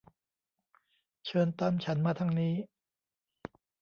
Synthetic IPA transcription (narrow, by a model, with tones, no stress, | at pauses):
t͡ɕʰɤː˧nt̪a˧˩mt͡ɕʰa˦˥nmaː˧t̪ʰa˧˥˩ŋniː˦˥